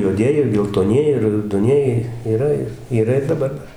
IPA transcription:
juɔˈdʲiɛjɪ ɪr ɡʲɛlˠtoːˈnʲiɛjɪ ɪr rɐʊdoːˈnʲiɛjɪ iːˈrɐ ɪr iːˈrɐ ɪr dɐˈbɐr ˈdɐr

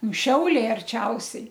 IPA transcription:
nʊ ˈʃʲɛʊlʲɛɪ ɐrʲˈt͡ʃʲɛʊsʲɛɪ

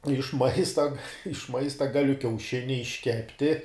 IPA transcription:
ɪʃ ˈmɐɪstɐ ɪʃ ˈmɐɪstɐ ˈɡɑːlʲʊ kʲɛʊˈʃʲɪnʲɪ ɪʃʲˈkʲæːpʲtʲɪ

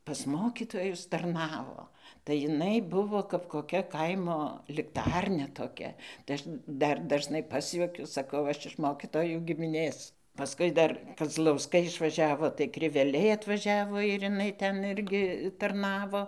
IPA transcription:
pɐs ˈmoːkʲiːtoːjʊs tɐrˈnɑːʋoː tɐɪ jɪˈnɐɪ bʊˈʋoː kɐp koːˈkʲɛ ˈkɐɪmoː lʲɪkˈtɐrʲnʲɛ toːˈkʲɛ tɐɪ ˈɐʃ ˈdɐr dɐʒˈnɐɪ ˈpɑːsʲjuɔkʲʊ sɐˈkɐʊ ˈɐʃ ɪʃ ˈmoːkʲiːtoːjuː ɡʲɪmʲɪˈnʲeːs pɐˈskʊɪ dɐr kɐzlˠɐʊˈskɐɪ ɪʃʋɐˈʒʲæːʋoː tɐɪ krʲɪʋʲɛˈlʲɛɪ ɐtʋɐˈʒʲæːʋoː ɪr ɪˈnɐɪ ˈtʲɛn ˈɪrʲɡʲɪ tɐrˈnɑːʋoː

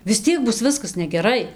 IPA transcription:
ʋʲɪs ˈtʲiɛk ˈbʊs ˈʋʲɪskɐs nʲɛɡʲɛˈrɐɪ

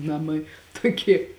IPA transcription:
ˈnɑːmɐɪ ˈtoːˌkʲiɛ

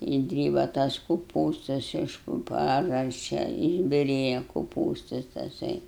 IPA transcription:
ɪʒʲˈdʲrʲiːbɐ tɐs kʊˈpuːstɐs ɪʃ pʊ ˈpɑːʒɐsʲt͡ʃʲɛ ɪʒʲbʲɪˈrʲeːjɛ kʊˈpuːstɐs tɐˈsɐɪ

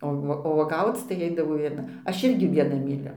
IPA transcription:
oː ˈʋuɔ oː uɔˈɡɐʊt͡s tɐɪ ˈɐɪdɐʋoː ʋʲiɛˈnɐ ˈɐʃ ˈɪrʲɡʲɪ ʋʲiɛˈnɐ mʲiːˈlʲʊ

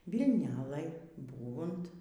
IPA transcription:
ʋʲɪlˠˈnɘlʲeːj ˈbuːʋʊnt

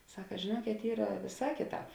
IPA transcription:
ˈsɑːkɐ ʒʲeːˈnuɔkʲeːt ˈiːrɐ ˈʋʲeːˌsɑː ˈkʲeːˌtɑːp

